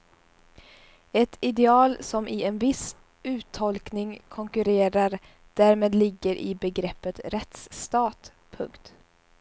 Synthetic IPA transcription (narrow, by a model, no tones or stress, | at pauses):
ɛt̪ʰɪd̪ɛɑːlsɔmʔɪɛnvɪs | ʉ̟ːt̪ʰːɔlknɪŋkʰɔŋkɵɾeːɾaɾ | d̪̥æːɾmeːd̪lɪɡːəɾʔɪ̰bɛɡɾɛpːət̪ɾɛt̪st̪ɑːt̪ | pʰɵ̰ŋkt̪